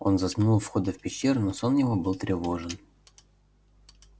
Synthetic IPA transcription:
o̞nzɐsmnulˠfxo̞d̪əfpʲɪɕːernoso̞njɪvobɨlˠt̪ɾʲɪvo̞ʐɨn

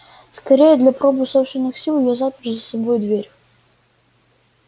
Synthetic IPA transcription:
skɐɾʲejɛd̪lʲɐpɾɔbɨsɔpst̪vʲɪnɨxsʲilˠjɔzapʲɪrzɐsɐbɔjʊd̪ʋʲeɾʲ

